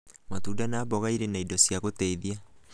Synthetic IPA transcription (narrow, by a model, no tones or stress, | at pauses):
matudanaːbɔɣaiɾenaidɔsjaɣotɛiðia